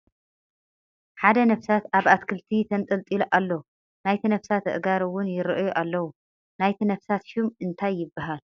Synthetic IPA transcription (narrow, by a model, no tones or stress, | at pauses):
ħad̪ɐnɐfsat̪aβat̪kʰɨlt̪ʰit̪ʰɐnt̪ʼɨlt̪ʼilʔalːo | najt̪ʰinɐfsat̪ɨ̰ʔɡaɾɨwʊnjɪɾɨʔjuʔalːɐwu | najt̪ʰinɐfsat̪ʃumɨnt̪ʰajːɪbːaɦal